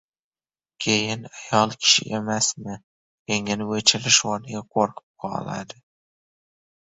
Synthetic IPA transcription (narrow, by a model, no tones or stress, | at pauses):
kʲʰejɪnajɒlˠkʲʰɪ̥ʃɪ̰ʔemasmɪ | jeŋʲanɪwɵt͡ʃʰɪlɪʃwɒnɪɡʲaqʰoɾqʰɨ̥p̚qʰɒ̰la̰d̪ɪ